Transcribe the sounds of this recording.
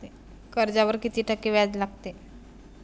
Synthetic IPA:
e | kəɾd͡ʑaʋəɾkit̪iːʈʰəkːiːʋjad͡zlaɡ̚t̪e

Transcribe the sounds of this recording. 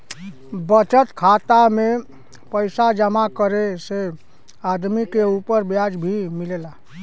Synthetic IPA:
bət͡ʃət̪kʰat̪ame | pəjsad͡ʒəmakəɾese | ad̪mikeupəɾbjad͡ʒbʱimilela

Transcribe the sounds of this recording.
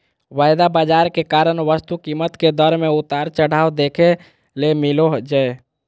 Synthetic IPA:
ʋajd̪abad͡ʒaɾkekaɾənʋəst̪ukimət̪ked̪əɾmẽut̪aɾt͡ʃəɽ̤aːod̪ekʰe | lemiloɦd͡ʒəe

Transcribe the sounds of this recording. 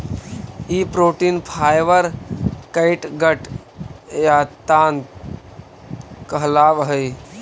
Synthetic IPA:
ipɾoːʈinpʰaːjʋəɾkəɪʈɡəʈ | jat̪aːn | kəɦlaːʋɦəj

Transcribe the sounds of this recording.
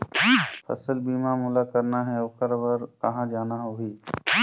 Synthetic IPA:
pʰɐ̰səlbiːmamʊlakəɾnaɦɛɐʋkəɾbəɾkɐɦãd͡ʒaːnaɦoɦiː

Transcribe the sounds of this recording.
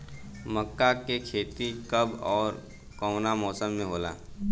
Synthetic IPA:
məkːakekʰeːt̪ikɐbɔːɾ | kɔːnamɔːsəmːẽɦoːla̰ː

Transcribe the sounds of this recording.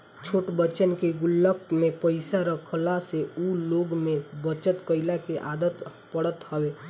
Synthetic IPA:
t͡ʃʰoːʈbət͡ʃənkeɡʊlːək̚mepəɪsaɾəkʰəlaseuloːɡmẽbət͡ʃət̪kəɪlakeʔaːd̪ət̪pəɽət̪ɦəwe

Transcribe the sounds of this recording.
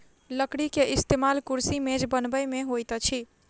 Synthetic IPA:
ləkɽikeʔist̪emalkuɾsimẽd͡ʒbənbəjmeɦojt̪t͡ʃʰi

